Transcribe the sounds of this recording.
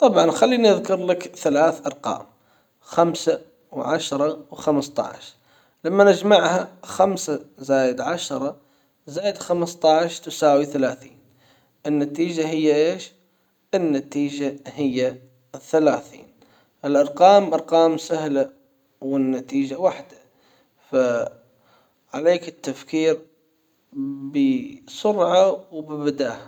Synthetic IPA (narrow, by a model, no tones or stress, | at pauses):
t̪ˤɑbʕɑnxalːiːniʔaðkʊɾlakθalaːθʔɑɾˤqɑ̰ːm | xamsa | wʕaʃɾˤɑwxamst̪ˤɑ̰ʕʃ | lamːanɪd͡ʒmaʕhaxamsazaːjɪd̪ʕaʃɾˤɑ | zaːjɪd̪xamst̪ˤɑʕʃt̪ʊsaːwiθalaːθḭːn | ʔɪnːat̪iːd͡ʒaɦɪjːaʔeːʃ | ʔɪnːat̪iːd͡ʒahɪjːa | θalaːθḭːn | ʔɪlʔɑɾˤqɑːmʔɑɾˤqɑːmsahla | wɪnːat̪iːd͡ʒawaħd̪a | fa | ʕaleːkɪt̪ːafkiːɾ | bɪsʊɾʕawbɪbɪd̪aːha